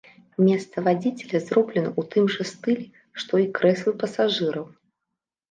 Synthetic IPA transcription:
mʲɛst̪sɐvad͡zʲit͡sʲɛlʲɐzɾɔblʲɛnɐut̪ɨmʐɐst̪ɨlʲɛ | ʂt̪ɔikɾɛslˠɨpɐsaʐɨɾɐw

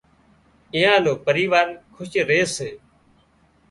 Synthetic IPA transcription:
ɪ̃jãːloːpəɾiːʋaːɾkʰʊʃɾeːseː

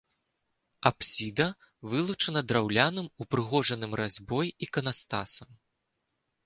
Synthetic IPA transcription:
apsʲid̪ɐ | vɨlˠut͡ʂɐnɐd̪ɾawlʲanɨmupɾɨɣɔʐɐnɨmrazʲbɔjikɐnast̪asɐm

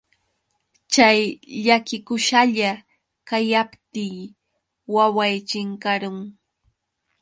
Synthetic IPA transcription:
t͡ʃajʎakɪkʊʃaʎa | kajapt̪iː | wawajt͡ʃɪŋkaɾʊŋ

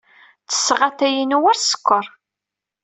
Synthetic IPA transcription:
t͡sə̥sːʁaθæjinuwæɾsə̥kʷːəɾˤ

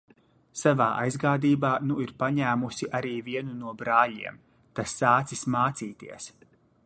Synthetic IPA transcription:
savaːʔa̰jzɡaːd̪iːbaːnuiɾpaɲæːmusiʔaɾiːviɛnunuɔbɾaːlḭɛm | t̪asːaːt̪sismaːt̪siːt̪ḭɛs

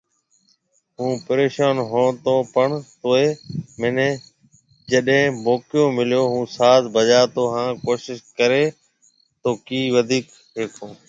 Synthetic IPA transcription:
ɦũːpəɾeːʃaːnɦoːt̪õːpəɳt̪oːeːmɪnẽː | d͡ʒəɗɦẽːmoːkɪjoːmɪljoːɦũːsaːzbəd͡ʒaːt̪oːɦãːkoːʃɪʃkəɾeː | t̪oːkiːʋəd̪ʱiːk | ɦeːkʰoː

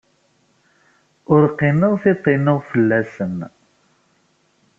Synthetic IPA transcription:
ʊɾqːinəʁθɪt̪ˤːinəʁfəlːæsən

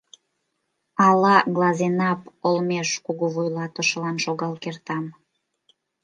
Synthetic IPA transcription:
ɑlɑɣlˠɑzenɑpolmeʃkuɣuβojlɑt̪əʃəlɑnʃoɣɑlkert̪ɑm

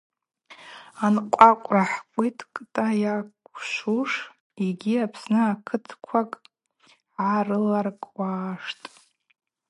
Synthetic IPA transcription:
anqʷʼakʷʼraħkʷʼitʰkʼtʼajakʷʰʃʷuʂ | iɡʲiapʰsnɨakʰɨtʰkʷʰakʼ | ʕarɨlarkʼwʷaːʂtʼ

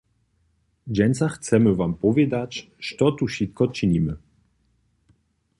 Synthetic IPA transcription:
d͡ʑɛnʲt̪saxt̪sɛmɘvampɔvʲjɛd̪at͡ɕ | ʂt̪ɔt̪uɕit̪kɔt͡ʂɘɲimɘ

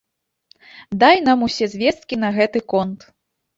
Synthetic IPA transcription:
d̪ajn̪amusʲɛzʲvʲɛst̪̚kʲinɐɣɛt̪ɨkɔnt̪

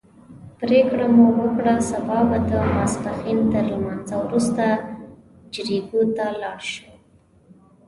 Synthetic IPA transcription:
pɾekɽamowəkɽasabɑbad̪əmaspaxint̪əɾlmɑnzawɾust̪a | d͡ʒɾiɡot̪alɑɽʃə

